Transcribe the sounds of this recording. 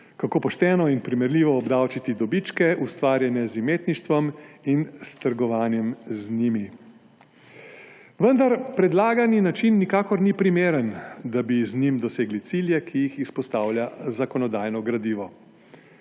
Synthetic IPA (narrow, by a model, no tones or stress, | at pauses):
kakoːpɔʃt̪ɛːnɔinpɾimɛɾliːʋɔːbd̪awt͡ʃit̪id̪ɔbit͡ʃkɛʔust̪ʋaːɾjɛnɛzimeːt̪niʃt̪ʋɔminst̪əɾɡɔʋaːnjɛmzniːmi | ʋənd̪aɾpɾɛd̪laːɡaninat͡ʃinːikaːkɔɾnipɾimeːɾənd̪abiznimd̪ɔseːɡlit̪siljɛkʰijixispɔst̪aːwlʲjazakɔnɔd̪aːjnɔɡɾad̪iːʋɔ